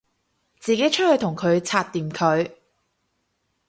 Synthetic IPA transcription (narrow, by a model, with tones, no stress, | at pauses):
t͡siː˨ke˨˥jt͡ʃʰɵ˥hɵ˧ɥt̪ʰʊ˨˩ŋkʰɵ˨˧ɥt͡sʰaː˧t̚t̪iː˨mkʰɵ˨˧ɥ